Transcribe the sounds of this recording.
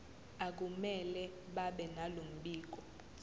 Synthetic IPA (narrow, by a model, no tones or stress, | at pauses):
ak̬umɛlɛ | ɓaɓɛnalom̩ɓiːk̬ɔ